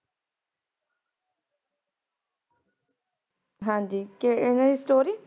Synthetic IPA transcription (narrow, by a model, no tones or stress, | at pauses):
ɦãːnd͡ʒiːkeɪnaisʈoːɾiː